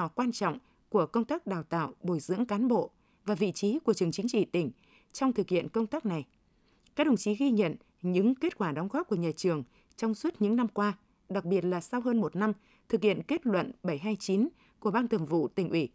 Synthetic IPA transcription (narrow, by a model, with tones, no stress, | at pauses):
ɔ˨˩kwaː˧nt͡ɕɔ̰˧˨wŋ͡m | ku˧˩əkə˧wŋ͡mt̪aː˦˥k̚ɗaː˨˩wt̪a̰ː˧˨wɓo˧˩jzɨ̰˧˥əŋkaː˨˦nɓo̰˧˨ | vaː˨˩vḭ˧˨t͡ɕi˨˦ku˧˩ət͡ɕɨ˨˩əŋt͡ɕï˨˦ŋ̟t͡ɕḭ˧˨t̪ï˧˩ŋ̟ | t͡ɕɔ˧wŋ͡mt̪ʰɨ˨˩k̚hḭ˧˨ənkə˧wŋ͡mt̪aː˦˥k̚na˨˩j | kaː˦˥ɗə˨˩ŋ͡mt͡ɕi˨˦ɣi˧ɲə̰˧˨n | ɲɨ̰˧˥ŋke˦˥t̚kwaː˧˩ɗɔ˨˦wŋ͡mɣɔː˦˥p̚ku˧˩əɲaː˨˩t͡ɕɨ˨˩əŋ | t͡ɕɔ˧wŋ͡mswə˦˥t̚ɲɨ̰˧˥ŋna˧mkwaː˧ | ɗa˨˩k̚ɓi˨˩ət̚laː˨˩sa˧wɦəː˧nmo˨˩t̚na˧m | t̪ʰɨ˨˩k̚hḭ˧˨ənke˦˥t̚lwə̰˧˨nɓə˧˩jɦaː˧jt͡ɕi˨˦n | ku˧˩əɓaː˧nt̪ə˨˩mvṵ˧˨t̪ï˨˩ŋ̟ʔwi˧˩